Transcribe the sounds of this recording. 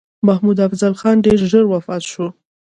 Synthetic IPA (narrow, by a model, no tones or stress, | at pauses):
mahmud̪afzalxɑnɖeɾʒəɾwafɑt̪ʃu